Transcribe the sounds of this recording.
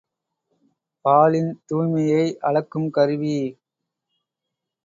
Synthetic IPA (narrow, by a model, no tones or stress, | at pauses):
paːlɪnt̪uːmɐjɐɪʔɐɻɐkːɯmkɐɾɯʋi